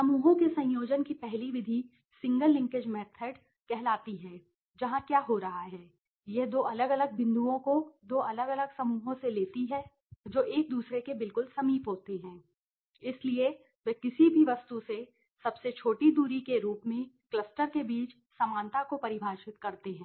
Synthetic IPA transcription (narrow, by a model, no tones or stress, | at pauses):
sɐmuːɦõkesɐ̃joːd͡ʒənkipɛɦliʋɪd̪ʱi | sɪ̃ŋɡəlːɪ̃ŋkɪd͡ʒmɛːt̪ʰəɖ | kɛɦlaːt̪iɦɛː | d͡ʒɐɦãkjaːɦoɾɐɦaɦɛː | jed̪oːʔɐləɡɐləɡ̚bɪ̃nd̪uõkod̪oːʔɐləɡɐləɡsɐmuːɦõseleːt̪iɦɛ | d͡ʒoːʔeːk̚d̪uːsɾekebɪlkʊlsɐmiːpɦoːt̪eɦɛ̃ː | ɪslie | ʋekɪsibʱiʋɐst̪use | sɐbset͡ʃʰoːʈid̪uːɾikeɾuːpmẽklɐsʈəɾkebiːt͡ʃ | sɐmaːnt̪akopɐɾɪbʱaːʃɪt̪kɐɾt̪eɦɛ̃ː